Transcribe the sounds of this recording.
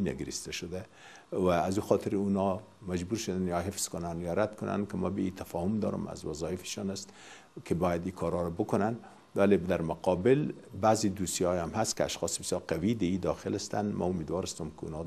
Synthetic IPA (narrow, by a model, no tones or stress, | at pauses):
na̰ɡɪɾist̪aʃʊd̪a | waːzuxɑt̪ʰɪɾunɔ | mad͡ʒbuɾʃʊd̪anjɑɦɪfz̥kʊnanjɒɾad̪kʊnʔa̰nkɪmabɪit̪ʰafɒhʊmd̪ɒ̰ɾʊ̰ma̰zwazɑjɪfɪ̥ʃɑnast̪ | kʰɪbɔjad̪ikʰɑɾɑɾabʊkʊnan | walebd̪aɾmʊqɑbɪlbaːzid̪usiɑamɦast̪kɪa̰ʃxɒsbɪsjɑɾqawid̪aid̪ɒxɪlast̪anma̰ʊmed̪wɒɾast̪ʊmkɪṵnɒ